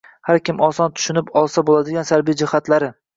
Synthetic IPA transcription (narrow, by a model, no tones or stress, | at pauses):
haɾkʲɪmɒsɒnt̪ʰʊ̥ʃʊnɪpɒlˠsabolad̪ɪɡʲansaɾbijd͡ʒɪhat̪laɾɪ